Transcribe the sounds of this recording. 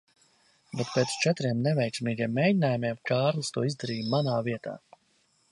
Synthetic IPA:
bɛt̪̚peːt̪st͡ʃɛt̪ɾiɛmnɛvɛjksmiːɡʲiɛmːeːɟinaːjumʲiɛmkaːɾlˠɨst̪uɔizd̪aɾiːjmanaːviɛt̪a̰ː

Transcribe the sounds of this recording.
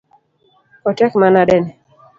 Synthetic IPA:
ɔtɛkmanadɛnɛ

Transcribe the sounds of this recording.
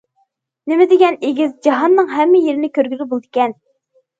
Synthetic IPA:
nemɪd̪eɡʲɛneɡʲizd͡ʒɑɦɑnːɨŋɦɛmːɪjeɾɪnɪkʲøɾɡʲylʲɪbolˠd̪ɨkʲɛn

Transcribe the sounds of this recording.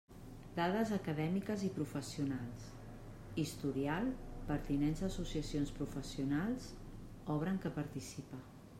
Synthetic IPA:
d̪aðəzəkəðɛmikəzipɾufəsiunalˠs | ist̪uɾialˠpəɾt̪inenzəsusiəsionspɾufəsiunalˠz | ɔβ̞ɾəŋkəpəɾt̪isipə

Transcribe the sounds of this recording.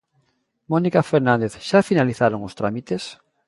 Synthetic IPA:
monikafeɾnãnd̪eθʃafinaliθaɾoŋost̪ɾamit̪es

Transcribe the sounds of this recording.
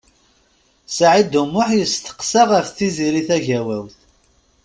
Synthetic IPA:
sʕid̪umːʊħjəst̪ə̥qsəʁəfθiziɾiθæʝæwæwθ

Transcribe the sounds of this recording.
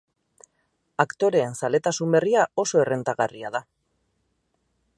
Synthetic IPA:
akt̪o̞ɾe̞ːnsale̞t̪asumbe̞riao̞so̞e̞re̞nt̪aɣariaða

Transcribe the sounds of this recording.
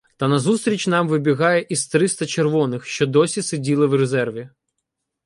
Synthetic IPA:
t̪ɐnɐzust̪ɾʲit͡ʃʲnɑmʋɪbʲiɣɑjɛʔist̪ɾɪst̪ɐt͡ʃerʋɔnɪxʃt͡ʃɔd̪ɔsʲisedʲilˠɪwrezɛrʋʲi

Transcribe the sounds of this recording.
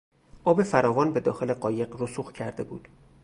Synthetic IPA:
ʔɒːbe̞fæɾɒːvɒːnbe̞d̪ɒ̰ːxe̞le̞ɢɒːje̞ɢrosuxcʰæɾd̪e̞bṵːd̪̥

